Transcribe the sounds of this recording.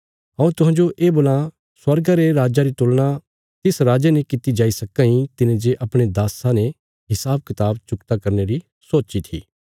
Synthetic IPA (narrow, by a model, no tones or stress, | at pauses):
ɦɐ̃ũt̪ʊɦãd͡ʒoʔeːbʊlã | swɐɾɡaɾeɾaːd͡ʒaɾit̪ʊːlɽ̃a | t̪ɪsɾaːd͡ʒenĩkɪt̪id͡ʒaːisɐkãĩt̪ɪnẽd͡ʒeʔɐpɽ̃ed̪aːsãne | ɦɪsaːb̚kɪt̪aːbt͡ʃʊkt̪akɐɾneɾi | soːt͡ʃit̪ʰḭː